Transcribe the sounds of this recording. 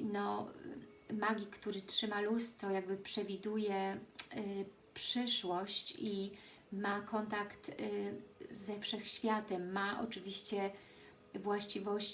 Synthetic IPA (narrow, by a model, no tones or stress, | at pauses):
nɔ | maɡʲikt̪uɾɘtʂɘmalust̪ːɔjaɡbɘpʂɛvʲid̪ujɛ | pʂɘʂwɔɕt͡ɕi | makɔnt̪akt̪ | zɛfʂɛxɕfʲjat̪ɛmːaʔɔ̰t͡ʂɘvʲiɕt͡ɕɛ | vwaɕt͡ɕivɔɕ